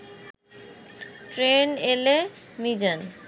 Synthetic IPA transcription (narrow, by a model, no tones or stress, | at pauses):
ʈɾenelemid͡ʑan